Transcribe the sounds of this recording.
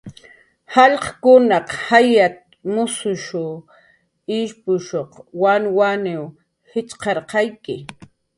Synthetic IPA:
hɑʎqkʊnɑqhajat̪̚ | mʊsʊʃʊ | ɪʃpʊʃoχwanwanɪw | hɪt͡ʃqɑɾqɑjkɪ

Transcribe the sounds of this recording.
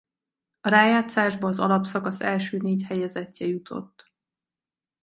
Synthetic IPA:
ɒɾaːjaːt̪saːʒbɒːzɒ̰lɒpsɒkɒsɛlʃøːneːchɛjɛzɛcːɛjut̪ʰo̞̰t̪ː

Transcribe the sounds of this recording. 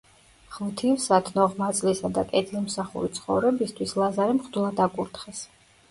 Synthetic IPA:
χmt̪ʰivsat̪ʰnɔʁmat̪sʼlisad̪akʼɛt̪ʰilmsaχṵɾit̪sʰχɔ̰vɾɛbist̪ʰwislˠazaɾɛmχd̪ulˠad̪akʼuɾt̪ʰχɛs

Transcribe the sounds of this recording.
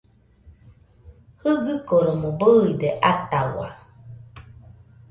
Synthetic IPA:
hɯɡɯkoɾomobɯid̪eʔat̪awa̰

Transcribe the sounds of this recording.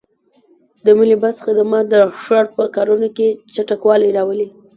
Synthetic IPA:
d̪əməlibasxad̪amɑd̪əʂaɽpəkɑɾunoket͡ʃaʈakwɑlajɾɑwəli

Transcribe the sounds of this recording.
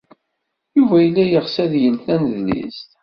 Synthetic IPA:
juvæjəlːæjəʁsæðjəlθænðlḭst̪

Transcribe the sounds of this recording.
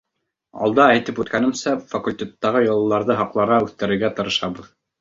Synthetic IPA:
ɑ̰lˠd̪ɑæjt̪ɘpʉt̪̚kænɘ̆msæfɐkulʲtʲe̞t̪ːɑʁɤjɤ̆lˠɤ̆lːˠɑɾðɤɦɑqlˠɑɾʁɑʉθt̪ɘ̆ɾɘ̆ɾɡæt̪ɤ̆ɾɤ̆ʃɑβɤð

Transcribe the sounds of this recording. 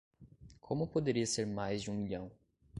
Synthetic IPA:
kʰõmʊpod̪eɾiɐseɾmajzd͡ʒɪũmiʎɐ̃w̃

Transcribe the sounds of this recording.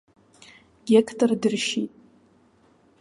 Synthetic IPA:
ɡʲekʰtʰʼordɨrʃitʼ

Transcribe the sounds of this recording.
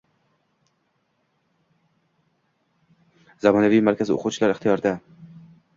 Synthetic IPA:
zamɒnavijmaɾkʲʰazɪo̰qʰʊwt͡ʃʰɪlaɾɪχt̪ʰijɒɾd̪a

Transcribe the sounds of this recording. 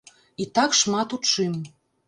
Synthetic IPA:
it̪ɑkʃmɑt̪ut̪ʃem

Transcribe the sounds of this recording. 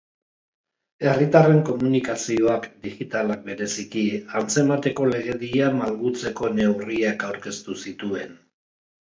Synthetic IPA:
e̞rit̪are̞ŋko̞munikasio̞akd̪iɣit̪alak̚be̞ɾe̞sikiant͡se̞mat̪e̞ko̞le̞ɣ̞e̞ðiamalɣut͡se̞ko̞ne̞wriakawɾke̞st̪usit̪ue̞n

